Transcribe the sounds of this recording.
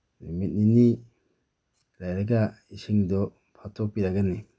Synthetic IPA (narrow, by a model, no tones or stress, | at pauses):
limit̚nini | ɾajɾaɡa | isiŋdɔ | pʰatʰɔk̚piɾaɡani